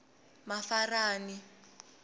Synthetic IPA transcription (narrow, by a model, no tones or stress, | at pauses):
mafaraːni